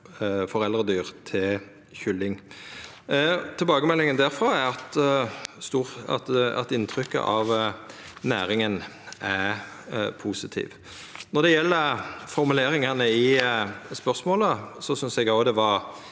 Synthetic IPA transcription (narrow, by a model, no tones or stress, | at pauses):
fɔɾɛld̪ɾəd̪yːʁt̪ʰɪl | çʏlːɪŋ | t̪ʰɪlbɑːɡəmɛlːɪŋənd̪æɾfɾɑːæɾɑt̪ | st̪uːɑ̰t̪ɑ̰t̪ɪnt̪ʰɾʏkːə̰ʔɑʋ | næːɾɪŋən | ʔæɾ | pʰuːsɪt̪ʰḭːʋ | nɔd̪ɛjɛlːəfɔɾmʉleːɾɪŋɑnəɪspœɾsmoːləsɔsʏnsɛɡɑʊd̪ɛʋɑɾ